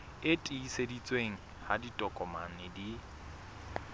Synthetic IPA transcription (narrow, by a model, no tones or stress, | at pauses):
ɪtʼiːsedit͡sʼweŋ̩ | haditʼɔkʼɔmanɪdi